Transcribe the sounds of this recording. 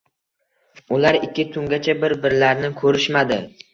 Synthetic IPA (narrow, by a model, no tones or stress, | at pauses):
ʊlaɾɪkʲʰːɪt̪ʰʊŋɡʲat͡ʃʰabɪɾbɪɾlaɾnɪkʰɵɾɪʃmad̪ɪ